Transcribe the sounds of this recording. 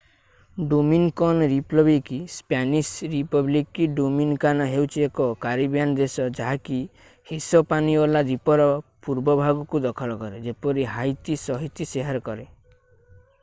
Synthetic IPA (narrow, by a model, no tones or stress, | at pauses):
ɖominkɔnɾiplɔbikispanisɾipɔblikiɖuminkanaɦewt͡ʃʰiekɔkaɾibjanɔd̪esɔd͡ʒaɦaki | hesɔpaniɔlad̪ipɔɾɔpuɾbɔbʱaɡɔkud̪ɔkʰɔlɔkɔɾed͡ʒepɔɾiɦajt̪isɔɦit̪iseɦaɾɔkɔɾe